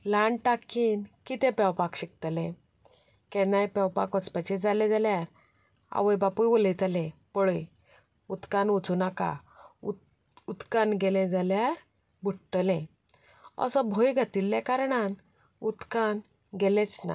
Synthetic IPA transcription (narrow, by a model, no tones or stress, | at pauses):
laɳʈakinkit̪ɛ̃pɛwpakɕik̚t̪lɛ̃ | kɛnajpɛwpakət͡spat͡ɕɛd͡zalɛ̃d͡zaljaɾ | a̰ʋəjbapujʋɔlet̪alɛ̃pɔɭəj | ut̪kãnut͡sunaka̰ | ut̪kanɡɛlɛ̃d͡zaljaɾ | bʱuʈʈlɛ̃ | ə̰sɔ̃bʱojɡʱat̪ilːakaɾɳan | ut̪kan | ɡɛlɛ̃t͡sna̰